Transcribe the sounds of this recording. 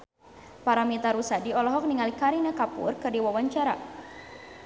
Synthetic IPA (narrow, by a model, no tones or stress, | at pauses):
paɾamit̪aɾusadiɔlɔɦɔk̚niŋalikaɾinakapṵrkɨrdiwawaɲt͡ʃaɾa̰